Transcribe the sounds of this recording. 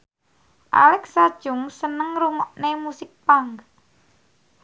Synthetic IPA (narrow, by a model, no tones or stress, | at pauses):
ʔa̰lɛksad̥ʒ̥ʊŋsənəŋɾuŋɔʔnemusɪk̚paŋk